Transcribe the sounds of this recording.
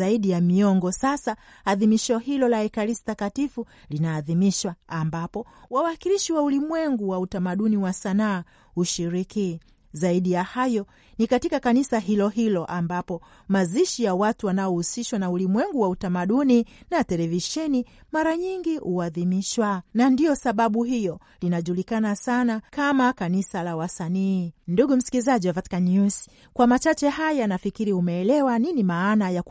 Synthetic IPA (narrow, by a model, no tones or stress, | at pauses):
aiɗijamiɔŋɡɔsasa | aðimiʃɔhilɔlaɛkaɾisi̥takatifu | linaːðimiʃwaːmbapɔwawakiliʃiwaulimwɛŋɡuwautamaɗuniwasanaː | huʃiɾiki | zaiɗijahajɔ | nikatikakanisaɦilɔɦilɔʔambapɔ | maziʃijawatuwanaɔhusiʃwanaulimwɛŋɡuwautamaɗuninatɛlɛviʃɛnimaɾaɲiŋɡiʔuaðimiʃwanandiɔsaɓaɓuhijɔ | linaʄulikanasanakamakanisalawasaniːnduɠum̩si̥kilizaʄiwavatkaɲus | kwamat͡ʃat͡ʃɛhajanafikiɾiumɛːlɛwaninimaːnaja